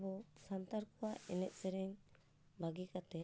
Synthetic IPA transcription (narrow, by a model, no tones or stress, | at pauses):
bɔsant̪aɾkuaʔɛnɛʔsɛɾɛɲ | baɡikat̪ɛ